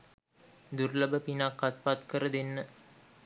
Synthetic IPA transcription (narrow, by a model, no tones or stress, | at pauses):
d̪uɾlɐbəpinakːat̪pat̪kəɾəd̪enːə